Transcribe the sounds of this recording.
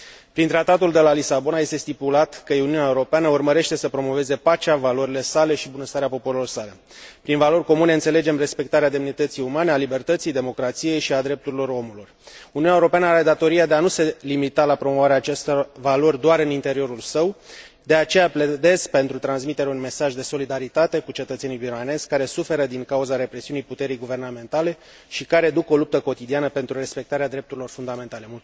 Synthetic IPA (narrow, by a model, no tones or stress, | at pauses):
pɾint̪ɾat̪at̪uld̪e̞lalisabo̞naje̞st̪e̞st̪ipulat̪kəjeuniuneaeuɾo̞peanəurməɾe̞ʃt̪e̞səpɾo̞mo̞ve̞ze̞pat͡ʃavalo̞ɾile̞sale̞ʃibunəst̪aɾeapo̞poɾilo̞rsale̞ | pɾinvalo̞rʲko̞mune̞ɨnt̪se̞le̞d͡ʒe̞mre̞spe̞k̚t̪aɾead̪e̞mnit̪ət̪sijumane̞alibe̞rt̪ət̪sijd̪e̞mo̞kɾat̪sije̞jʃiad̪ɾe̞p̚t̪uɾilo̞ro̞muluruniunaeuɾopeanəaɾe̞d̪at̪o̞ɾijad̪eanuse̞limit̪alapɾo̞mo̞vaɾeaːt͡ʃe̞st̪valo̞rʲd̪oaɾɨnint̪e̞ɾio̞ɾulsəw | d̪e̞at͡ʃe̞japled̪e̞sk̚pe̞nt̪ɾut̪ɾansmit̪eɾeunme̞saʒd̪e̞so̞lid̪aɾit̪at̪e̞kut͡ʃe̞t̪ət̪senijbiɾane̞zʲkaɾe̞sufe̞ɾəd̪iŋkauzaɾe̞pɾe̞siunijput̪e̞ɾijɡuve̞rname̞nt̪ale̞ | ʃikaɾe̞d̪uko̞lup̚t̪əko̞t̪id̪ianəpe̞nt̪ɾure̞spe̞k̚t̪aɾead̪ɾe̞p̚t̪uɾilo̞rfund̪ame̞nt̪ale̞mut